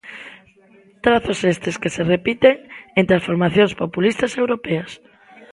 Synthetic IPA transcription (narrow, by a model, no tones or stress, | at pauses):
t̪ɾaθosest̪eskeserepit̪eŋent̪ɾansfoɾmaθjõŋspopulist̪ɐsewɾopɛɐs